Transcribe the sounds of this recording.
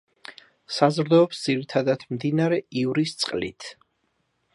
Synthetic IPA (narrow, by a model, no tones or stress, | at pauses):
sazɾd̪ɔːpsd̪z̥iɾit̪ʰad̪at̪ʰmd̪inaɾɛivɾist̪sʼqʼlḭt̪ʰ